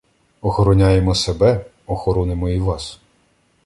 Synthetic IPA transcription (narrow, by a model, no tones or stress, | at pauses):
ɔxɔɾɔnʲajemɔsebɛ | ɔxɔɾɔnɪmɔiʋɑs